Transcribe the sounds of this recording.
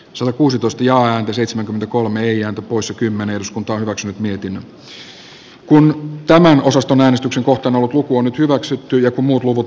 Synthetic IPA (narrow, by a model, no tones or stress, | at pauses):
sɑt̪ɑkuːsit̪oist̪ɑjɑːæːnt̪æseit̪semæŋkyment̪ækolmeeiæːnt̪æpoisekymːeneedyskunt̪ɑonhyʋæksynyt̪miet̪inːæ | kunt̪æmæno̞sɑst̪onæːnest̪ykseŋkoht̪ˑɑːnolːut̪lukuonyt̪hyʋæksyt̪ːyjɑkummuːt̪luʋut̪